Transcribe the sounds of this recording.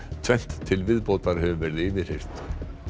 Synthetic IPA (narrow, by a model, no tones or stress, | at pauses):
t̪ʰvɛn̥t̪ʰːɪlvɪðpowt̪aɾhœvʏvɛːɾɪðɪvɪr̥ejr̥t̪